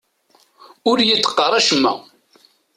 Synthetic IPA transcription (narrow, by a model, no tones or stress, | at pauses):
ʊɾjət͡sːqːɑɾˤæʃmːæ̰